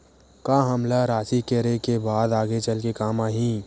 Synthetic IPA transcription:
kaːɦəmlaɾaːsikeɾekebaːd̪aːɡet͡ʃəlkekaːmaːɦĩ

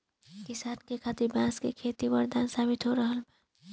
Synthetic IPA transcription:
kɪsaːnkekʰat̪iɾbãskekʰet̪ibəɾd̪aːnsaːbit̪ɦoɾəɦəlmẽ

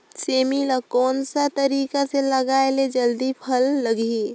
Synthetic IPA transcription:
seːmilakɔːnsat̪əɾiːkaseləɡaːeled͡ʒəld̪ipʰəlːəɡe

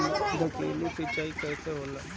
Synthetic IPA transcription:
d̪ʱəkeːlisɪt͡ʃːaːikɛːseɦoːla

